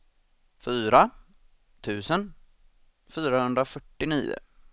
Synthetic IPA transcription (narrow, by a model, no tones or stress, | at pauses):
fyːɾa | t̪ʰʉ̟ːsən | fyːɾahɵnd̪ɾafœʈːɪnḭːʊ̰